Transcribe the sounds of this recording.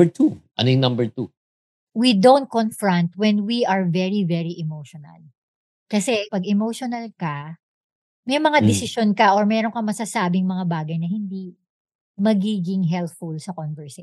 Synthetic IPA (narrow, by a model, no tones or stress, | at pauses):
ət̪ʰuʔɐ̰nojʊŋnɐmbɛɹt̪u | wid̪ownt̪̚konfɹɐ̃nt̪̚wɛnwiɐɹvɛɹivɛɹiʔɛmowʃonɐ̰l | kɐsɛpɐɡɛmowʃonɐlkɐ | mɛjmɐŋad̪ɛsɪʃonkɐʔoɹmɛːɾoŋkɐmɐsɐsaːbɪŋmɐŋabaːɡɐjnɐhɪnd̪i | mɐɡiːɡɪŋɦɛlt̪fulsɐkonvɛɹse